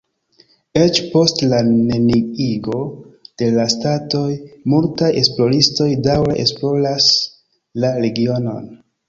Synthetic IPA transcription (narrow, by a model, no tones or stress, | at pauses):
e̞t͡ʃpo̞stlane̞niiɡo̞d̥e̞lastato̞jmultaje̞splo̞ɾisto̞jdawɾeʔḛsplo̞las | laɾe̞ɡio̞no̞̰n